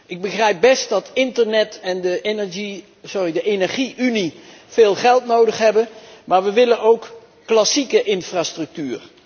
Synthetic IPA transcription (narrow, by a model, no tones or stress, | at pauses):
ɪɡ̚bəχrɛjp̚bɛst̚dɑtɪntəɹnɛtɛndəenɛɹʒi | sʊridəʔejnɛɹχiʔyni | v̥ɪːlˠχɛlˠtnowdəχɦɛbənmaːɹʋəʋɪlənowkː | lɑsikəʔɪnfraːstrɵk̚tyːr